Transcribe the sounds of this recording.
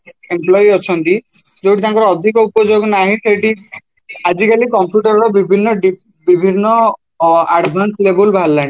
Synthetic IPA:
emplɔjiɔt͡ʃʰɔnt̪id͡ʒowʈit̪ãŋkɔɾɔɔd̪ʱikɔupɔd͡ʒoɡnaɦĩseʈi | ad͡ʒikalikɔmpjuʈɔɾɾɔbibʱinːɔɖi | bibʱinːɔ | aɖbʱanslebulbʱalːaɽ̃i

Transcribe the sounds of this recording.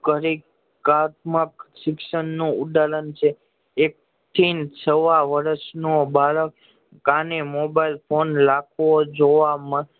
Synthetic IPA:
kəɾi | kat̪məkʃɪkʃənːũud̪alənt͡ʃʰe | ek̚ | t̪ʰint͡ʃʰəʋaʋəɾəʃnobaɭəkː | ãnemobailpʰonlakʰʋod͡ʒoʋamə

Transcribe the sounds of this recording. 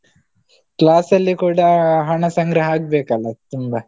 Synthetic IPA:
klaːsɐlːikuːɽɐɦɐɳɐsɐŋɡɾɐɦaːɡ̚beːkɐlːɐt̪umbɐ

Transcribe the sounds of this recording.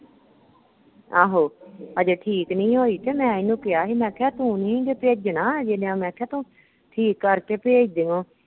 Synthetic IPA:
aːɦoːəd͡ʒeːʈʰiːknĩːɦoːiːt̪eːmɛ̃ːɪnũːkɪaːɦiːmɛ̃ːkʰɛːt̪ũːnĩːd̪eːpeːd͡ʒd͡ʒnaːd͡ʒeneãmɛ̃ːkʰɛːt̪ũː | ʈʰiːkːəɾkeːpeːd͡ʒd̪ɪŋõː

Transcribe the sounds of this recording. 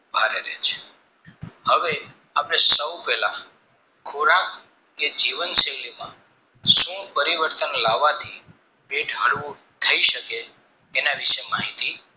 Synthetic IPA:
bʱaɾeɾḛt͡ʃʰe̥ | həʋe | apəɽ̃esəwpɛla | kʰoɾak | ked͡ʒiʋənsəlimã̰ | ʃũpəɾiʋəɾt̪ənlaʋat̪ʰi | beʈʰɦəɭʋũ | t̪ʰəiʃəkeː | naʋiʃemaɦit̪i

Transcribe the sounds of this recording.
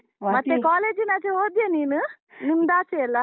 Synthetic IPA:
mɐt̪ːekaːleːd͡ʒinaːt͡ʃeoːd̪jeniːnu | nimːd̪aːt͡ʃeɛlːa

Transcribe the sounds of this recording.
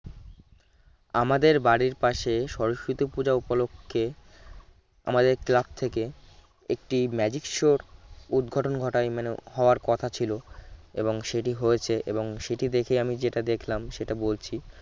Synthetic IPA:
amad̪eɾbaɽiɾpaʃeʃɔɾoʃit̪opud͡ʑaupolokʰːe | a̰mad̪eɾklab̚t̪ʰeke | ek̚ʈimɛd͡ʑikʃoɾud̪ɡʱɔʈonɡʱɔʈajmaneɦɔoaɾkɔt̪ʰat͡ɕʰiloḛboŋʃeʈiɦoet͡ɕʰeʔḛboŋʃeʈid̪ekʰejamid͡ʑeʈad̪ekʰlamʃeʈabolt͡ɕʰi

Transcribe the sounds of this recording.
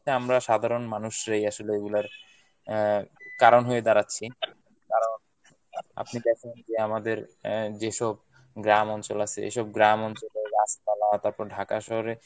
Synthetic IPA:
eamɾaʃad̪ʱaɾonmanuʃɾajaʃoleeɡulaɾ | kaɾonɦoed̪aɾatːɕʰi | kaɾon | a̰pnikɛt͡ɕʰend͡ʑeamad̪eɾd͡ʑeʃɔb | ɡɾamɔnt͡ɕolat͡ɕʰeḛʃɔb̚ɡɾamɔnt͡ɕoleɾaspalat̪aɾpɔɾɖʱakaʃɔɦoɾe

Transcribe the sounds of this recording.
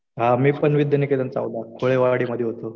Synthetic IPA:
ɦamiːpəɳʋid̪jeniket̪ant͡sa̰wd̪akʰoɭeʋaɽiːməd̪ʱːjeɦot̪o

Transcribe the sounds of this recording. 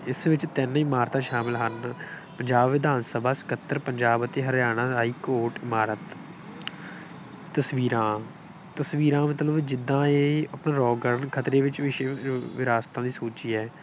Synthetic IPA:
ɪsʋɪt͡ʃt̪ɛnɪmaːɾt̪ãːʃaːmɪlɦən | pəɲd͡ʒaːbʋɪd̪aːnsəbʱaːsɪ̥kət̪ːəɾpəɲd͡ʒaːbət̪eːɦəɾjaːɽ̃ãːaːiːkoːʈɪmaːɾət̪ | əsʋiːɾãː | t̪əsʋiːɾãːmət̪ləbd͡ʒɪd̪ːãːeːəpnãːɾɔːɡəɾənkʰət̪ɾeːʋɪt͡ʃʋɪʃeːʋɪɾaːst̪ãːd̪iːsoːt͡ʃiːɛː

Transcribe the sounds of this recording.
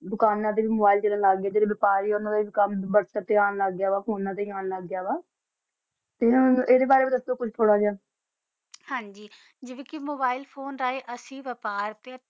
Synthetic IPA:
d̪ʊkaːnːãːd̪eːʋiːmoːbaːilt͡ʃələ̃nlaːɡːjaːd͡ʒeːɽeːbɪpaːɾiːoʊnãːd̪eːikambəɾsət̪ːeaːnləɡjaːʋaːkoːnːãːt̪eːaːnləɡːjaːβaː | t̪eːeːd̪eːbaːɾeːbiːd̪əst̪õːkʊt͡ʃʰʈ̪ʰoːɽaːd͡ʒãː | hãːɲd͡ʒiː | d͡ʒeʋẽːkimoːbaːilpʰoːnɾaːeːʔəsĩːʋəpaːɾt̪eː

